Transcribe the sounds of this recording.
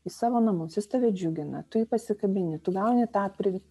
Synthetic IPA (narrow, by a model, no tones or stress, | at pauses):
isɑːʋoːnɐmʊːsjɪst̪ɐʋʲɛd͡ʒʲʊɡʲɪnɐ̰t̪ʊiːpɐsʲɪkɐbʲɪnʲɪt̪ʊɡɐʊnʲɪt̪ɑːpʲɾʲɪ